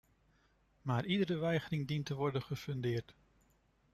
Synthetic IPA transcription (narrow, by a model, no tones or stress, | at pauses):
maːɹʔidəɾəʋɛjχərɪŋdintəʋɔɹdənχəfɵndɪːɹt